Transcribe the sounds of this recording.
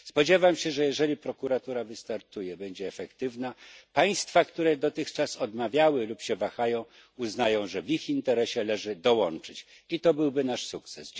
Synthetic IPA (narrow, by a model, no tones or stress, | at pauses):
spɔd͡ʑɛvamɕɛʐɛjɛʐɛlʲipɾɔkuɾat̪uɾavɘst̪aɾt̪ujɛbɛɲd͡ʑɛːfɛkt̪ɘvnapaj̃st̪fakt̪uɾɛd̪ɔt̪ɘxt͡ʂasɔd̪mavʲjawɘlupɕɛvaxajɔ̃w̃ | uznajɔ̃w̃ʐɛvixint̪ɛɾɛɕɛlɛʐɘd̪ɔwɔnt͡ʂɘt͡ɕ | it̪ɔbɘwbɘnaʂsuk̚t̪sɛs